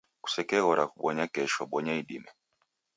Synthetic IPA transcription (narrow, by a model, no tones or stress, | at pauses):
ku̥sɛkɛɣɔɾakuɓɔɲakɛʃɔɓɔɲaiɗimɛ